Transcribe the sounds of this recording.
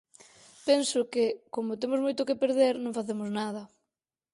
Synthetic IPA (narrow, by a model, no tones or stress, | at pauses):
pensʊkekomʊt̪emʊzmojt̪ʊkepeɾðeɾnõŋfaθemʊznað̞ɐ